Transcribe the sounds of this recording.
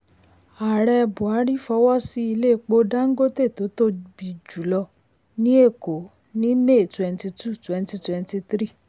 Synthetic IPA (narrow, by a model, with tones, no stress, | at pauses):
a˨ɾɛ˧bu˨a˨˦ɾi˦fɔ˧˦wɔ˦si˦i˧le˦˨˧k͡po˧dã˦ŋ̩˦ɡo˦te˦˨to˨˦to˦bi˨d͡ʒu˨˦lɔ˧ | nĩ˦e˦˨ko˨˦ | nĩ˦me˦˨twɛ̃˧n˧ti˧tu˦˨twɛ̃˧nti˧twɛ˧nti˧tɾi˦˨